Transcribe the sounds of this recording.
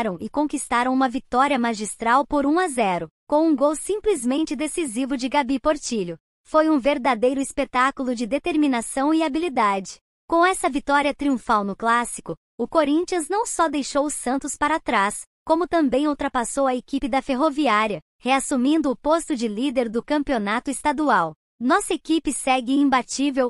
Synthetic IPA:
ɾɐ̃w̃ɪkõkist̪aɾɐ̃w̃ũmɐvit̪ɔɾiɐmaʒist̪ɾawpoɾũazɛɾʊkõw̃ũɡowsĩplizmẽnt͡ʃɪd̪esizivʊd͡ʒɪɡabipoɾt͡ʃiʎʊ | fojũveɾd̪ad̪ejɾʊispet̪akulˠʊd͡ʒɪd̪et̪eɾminasɐ̃w̃ɪabilid̪ad͡ʒɪ̥ | kõw̃ɛsɐvit̪ɔɾiɐt̪ɾiũfawnʊklasi̥kʊ | ʊkoɾĩnt͡ʃiɐ̃znɐ̃w̃sɔd̪ejʃowʊsɐ̃nt̪ʊspaɾat̪ɾas | kõmʊt̪ɐ̃mbẽj̃owt̪ɾɐpasowɐekipɪd̪ɐfeɦoviaɾjɐ | heasumĩnd̪ʊːpost̪ʊd͡ʒɪlid̪eɾd̪ʊkɐ̃mpionat̪ʊest̪ad̪uaw | nɔsɐekipɪsɛɡɪĩbat͡ʃivew

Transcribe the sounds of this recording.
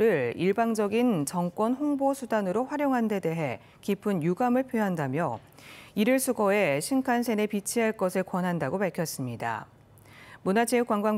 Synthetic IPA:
ɾɯɭiɭbaŋd͡ʑʌɡint͡ɕʌŋk͈wʌnhɸoŋbosʰudanɯɾoɸwaɾjoŋɦande̞de̞ɦe̞ | kipʰɯnjuɡamɯɭpʰjoɦandamjʌ | iɾɯɭsʰuɡoe̞ɕʰinkʰansʰe̞ne̞pit͡ɕʰiɦaɭk͈ʌsʰɯɭkwʌnɦandaɡopaɭkʰjʌs͈ɯmɲida̰ | munat͡ɕeuk͈waŋɡwa

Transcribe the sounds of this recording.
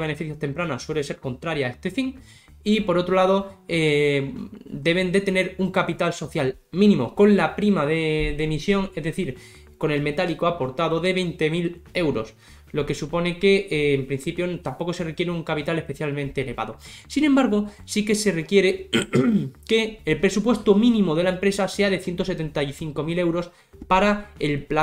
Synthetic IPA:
βe̞ne̞fiθjost̪e̞mpɾanoswe̞le̞se̞ɾko̞nt̪ɾaɾjae̞st̪e̞fiŋ | ipo̞ɾo̞t̪ɾo̞laðo̞e | d̪e̞β̞e̞nd̪e̞t̪e̞ne̞ɾuŋkapit̪also̞θjal | mĩnĩmo̞ko̞nlapɾimaðeðe̞misjo̞ŋe̞zðe̞θiɾ | ko̞ne̞lme̞t̪alikoapo̞ɾt̪aðo̞ðe̞β̞e̞jnt̪e̞mile̞wɾo̞s | lo̞ke̞supo̞ne̞ke̞ːmpɾin̟θipjo̞nt̪ampo̞ko̞se̞rekje̞ɾeuŋkapit̪ale̞spe̞θjalmẽnt̪e̞ːle̞βa̰ðo̞sinẽmbaɾɣo̞sike̞se̞re̞kjeɾe | ke̞ːlpɾe̞supwe̞st̪omĩnĩmoðe̞laempɾe̞sase̞aðe̞θje̞nt̪o̞se̞t̪e̞nt̪ajθiŋko̞mile̞wɾo̞s | paɾae̞lpla

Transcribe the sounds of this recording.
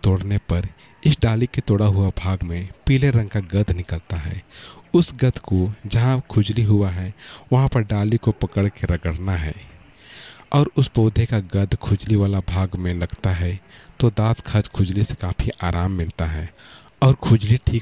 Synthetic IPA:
t̪oːɽnepɐɾ | ɪsɖaːliket̪oːɽaɦʊabʱaːɡmẽpiːleɾə̃ŋɡkaɡɐd̪ʱnɪkəlt̪aɦɛ̰ːʊsɡɐd̪ʱkod͡ʒɐɦãkʰʊd͡ʒliɦʊaɦɛʋɐɦãpɐɾɖaːlikopɐkəɽkeɾɐɡəɽnaɦɛ̰ː | ɔːɾʊsboːd̪ʱekaɡɐd̪ʱkʰʊd͡ʒliʋaːlabʱaːɡmẽlɐɡt̪aɦɛt̪od̪aːt̪kʰɐd͡ʒkʰʊd͡ʒlisekaːpʰiʔaːɾaːmːɪlt̪aɦɛː | ɔːɾkʰʊd͡ʒliʈʰiː

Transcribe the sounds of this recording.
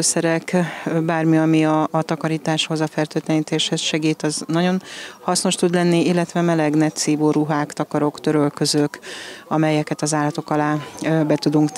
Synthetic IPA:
øsɛɾɛkbaːrmiɒmiɒːt̪ɒkɒɾiːt̪aːʃho̞zɒfɛlt̪øːt̪lɛniːt̪eːʃhɛsʃɛɡiːt̪ɒznɒɟo̞nhɒsno̞ʃt̪ud̪lɛnːiilːɛt̪ʋɛmɛlɛɡnɛt̪siːvoːɾuɦaːkt̪ɒkɒɾo̞kt̪ø̞ɾø̞lkøzøkɒmɛjɛkɛt̪ɒzaːlːɒt̪o̞kɒlaːbɛt̪ud̪uŋk̪

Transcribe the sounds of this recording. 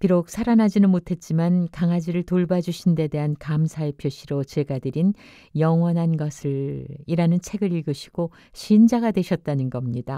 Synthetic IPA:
piɾok̚sʰaɾanad͡ʑinɯnmotʰe̞t̚t͡ɕ͈imankaŋad͡ʑiɾɯɭtoɭbad͡ʑuɕʰinde̞de̞ɦankamsʰaepʰjoɕʰiɾot͡ɕe̞ɡadɯɾin | jʌŋwʌnɦanɡʌsʰɯɭiɾanɯnt͡ɕʰe̞ɡɯɾiɭɡɯɕʰi̥ɡ̥o | ɕʰind͡ʑaɡadwe̞ɕʰʌt̚t͈anɯnɡʌmɲida

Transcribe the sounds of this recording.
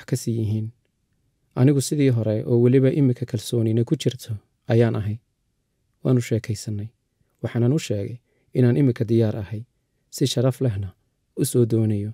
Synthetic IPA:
wħkʰɐsɪjɪɦiːn | ʔɐnɪɣʊsɪðiːɦɔɾɛʔɔːwɑlɪβɐʔɪmɪkʰɐkʰɐlsɔːnɪnɐkʰʊt͡ʃʰɪrt̪ʰɔ | ɐjaːnʔɐɦɛj | wa̰ːnʊʃɛːkʰɛjsɐnːɛj | wɑħɑːnɐnʊʃɛːɣɛj | ɪnaːnʔɪmɪkʰɐd̪ɪjaːɾʔɐ̰hɛj | sɪʃɐɾɐflɛɦnɐ | ʊsɔːd̪ɔːnɐjɔ

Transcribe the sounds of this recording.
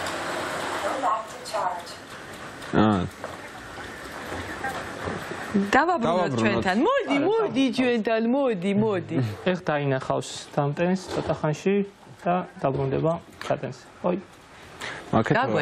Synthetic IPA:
d̪avabɾuɔɾt͡ʃʰwɛnt̪ʰanmɔd̪imɔd̪it͡ʃʰwɛnt̪ʰanmɔd̪imɔd̪iɛχd̪ainaχafst̪ʰamt̪ʼɛnsʰɔt̪ʼaχanʃi | d̪̥ad̪̥abɾund̪ɛba | sʰat̪ʼɛns | χɔ | makʰɛakɛ

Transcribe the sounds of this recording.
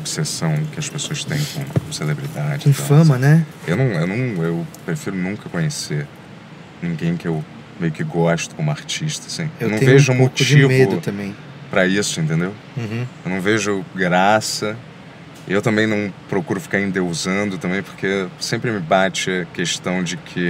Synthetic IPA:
obsesɐ̃w̃kɪɐspesoɐst̪ẽj̃kõ̰selebɾid̪ad͡ʒɪĩfɐ̃mɐnɛewnɐ̃w̃ewnɐ̃w̃ewpɾefiɾʊnũŋkɐkõɲeseɾ | nĩɡẽj̃kɪew | mejʊkɪɡɔʃt̪ʊ̥kõmʊaɾt͡ʃiʃt̪ɐsĩewnɐ̃w̪ẽveʒʊmot͡ʃimveʊʊt̪ɐ̃mbẽj̃ | pɾɐisʊẽnt̪̬ẽnd̪ew | ũewnɐ̃w̃veʒʊɡɾasɐ | ewt̪ɐ̃mbẽj̃nɐ̃w̃pɾokuɾʊfi̥kaɾẽnd̪ewzɐ̃nd̪ʊt̪ɐ̃mbẽj̃poɾkesẽmpɾɪmɪbat͡ʃɪɐkeʃt̪ɐ̃w̃d͡ʒɪkʰɪ

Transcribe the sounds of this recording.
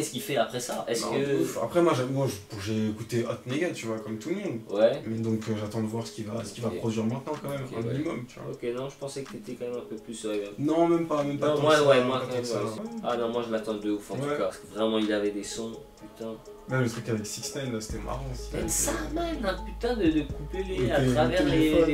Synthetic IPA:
ɛsə̥kilfɛapχɛsaʔɛskəfa̰pχɛmwaʒmɔ̃ʒəpuʁʒeːkut̪eɔt̪neɡat̪yvwakɔmt̪ulmɔ̃d̪wɛmɛd̪ɔ̃kəʒat̪ɑ̃d̪əvwaʁsə̥kʲivasə̥kʲivaχɔd̪ɥiʁmɛ̃t̪nɑ̃kɑ̃mɛmɑ̰̃minimɔmt̪yvwa̰okʲenɔ̃ʒəpɑ̃sɛkə̥t̪et̪ɛkɑ̃mɛmɛ̃pøplyswɛ̃nɔ̃mɛmpamɛmpãmwawɛmwaãəsaanɔ̃mwaʒəmat̪ɑ̃d̪əufɑ̃wɛɔaskəvʁɛmɑ̃ilavɛd̪esɔ̃pyt̪ɛ̃ | mɛmlət̪χykavɛksikst̪ɛnlase̥t̪ɛmʔa̰ʁɑ̃si̥ɛsamɛnɛ̃pyt̪ɛ̃d̪əd̪əkupeliaeχavɛʁea

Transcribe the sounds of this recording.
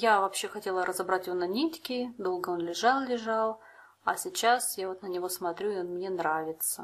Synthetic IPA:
javɐpɕːe̞xɐtʲe̞lˠəɾʔəzɐbɾatʲjɪvonɐnʲitʲkʲɪd̪o̞lˠɡəo̞nlʲɪʐɑlˠlʲɪʐɑlˠ | ɐsʲɪt͡ɕːasjavo̞t̪nənʲɪvo̞smɐt̪ɾʲuɪonmnʲe̞nɾavʲɪt̪sə

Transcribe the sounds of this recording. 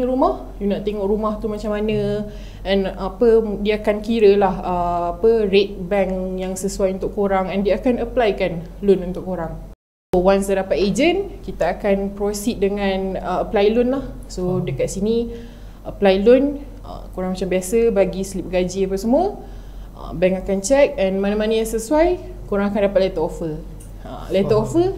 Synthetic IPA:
ɾumah | junaʔt̪eŋɔʔɾumaht̪umat͡ʃamːanə̃ | ʔɛnapədiaːkankiɾəlahəapəret̪̚bɛŋjaŋsəsuajunt̪ʊkːoɾaŋɛndiaakanəplajkan | lʊnunt̪ʊkːoɾaŋ | sowansədapat̪ed͡ʒənkit̪aːkanpɾosit̪̚dəŋãnəəplajlʊnlahsodəkat̪̚sini | ʔəplajlʊn | ə̰koɾaŋmat͡ʃambiasəbaɡislip̚ɡad͡ʒiapəsəmuə | ʔə̰bɛŋakant͡ʃɛk̚ɛnmãnamanəjaŋsəsuaj | koɾãŋakandapat̪̚lɛt̪əofə | ə̰lɛəofə

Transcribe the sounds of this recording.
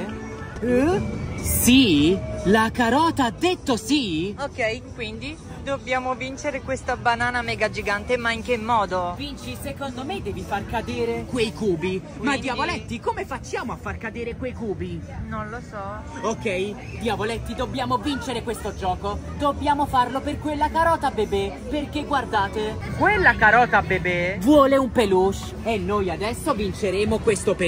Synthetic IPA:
silakaɾɔːt̪aad̪ːet̪ːosiokːɛjkwind̪i | d̪obːjaːmovint͡ʃeɾekwest̪abanaːnamɛːɡad͡ʒiɡant̪emaiŋk̟emːɔːd̪ovint͡ʃisekond̪omed̪ːɛːvifarkad̪eːɾekwejkuːbi | mad̪ːiavolɛt̪ːikomefat͡ʃːjaːmoafːarkad̪eːɾekwejkuːbi | nonlosɔ | okːɛj | d̪javolɛt̪ːid̪obːjaːmovint͡ʃeɾekwest̪od͡ʒɔːkod̪objaːmofarloperkwelːakaɾɔːt̪abebeperkeɡward̪aːt̪e | kwelːakaɾɔːt̪abebevwɔːleumpeluʃ | enːojad̪ɛsːovint͡ʃeɾeːmokwest̪ope

